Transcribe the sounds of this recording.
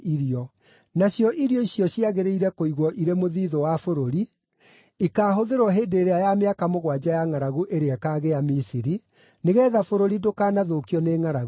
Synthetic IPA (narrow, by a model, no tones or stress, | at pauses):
iɾiɔ | naɕjɔʔiɾiɔiɕjɔɕiaɣeɾeiɾɛkoiɣwɔʔiɾemoðiːðɔwafoɾoɾi | ikaːɦoðeɾwɔɦeːndeːɾeajameakamoɣwad͡ʑajaŋaɾaɣuʔeɾeɛkaːɣejamisiɾi | neɣɛːðafoɾoɾidokaːnaðokiɔneːŋaɾaɣu